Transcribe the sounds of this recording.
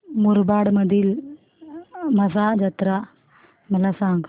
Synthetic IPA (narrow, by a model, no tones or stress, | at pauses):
muɾbaːɽmɐd̪ʱil | mɐsad͡ʒɐt̪ɾa | mɐlasãːŋɡ